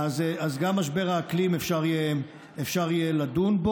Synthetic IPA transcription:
azazɡamːaʃbe̞ʁaklimefʃaʁije | efʃaʁijelad̪unbo

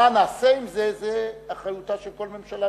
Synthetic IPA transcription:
anaːseimzezeaχajutaʃelko̞lme̞mʃala

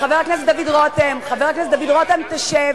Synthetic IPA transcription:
χaveʁaknes̬et̪d̪avid̪ʁot̪emχaveʁakneset̪̚d̪avid̪ʁot̪emt̪aʃev

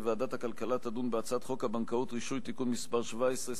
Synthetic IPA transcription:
vead̪at̪hakalkalat̪ad̪unbeat͡saat̪χo̞khabankaut̪ʁiʃujt̪ikunmispaʁʃvaesʁe

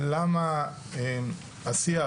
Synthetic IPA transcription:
lama | em | asia

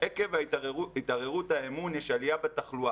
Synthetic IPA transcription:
eke̞vait̪aʁeʁut̪haemunjɛʃalijabet̪aχlua

